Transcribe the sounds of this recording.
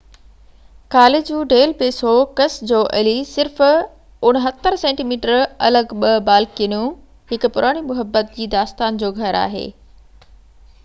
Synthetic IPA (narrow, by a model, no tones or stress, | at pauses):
kaːled͡ʑũːɖeːlpeːsokɐsd͡ʑoːʔɐlisɪɾf | ʊɽ̃ɦət̪ːəɾsẽːɳʈiːmiːʈəɾɐ̰ləɡɓɐbaːlkiənũ | ɦɪkʊ̆pʊɾʔaːɽ̃imʊɦəbːət̪̚d͡ʑiːd̪aːst̪aːnd͡ʑoːɡʱɐɾa̰ːɦḛː